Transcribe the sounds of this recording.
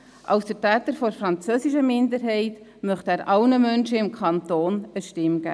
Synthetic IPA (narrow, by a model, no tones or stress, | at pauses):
ʔɑ̰lsd̥ətæːtəɾfɔɾfɾɑnt͡søːsɪʃəmɪndəɾɦɛɪt | mœχtæːɾʔɑlnəmœnʃəɪmkʰɑnt̪oːnəʃtɪmɡ̥æ̰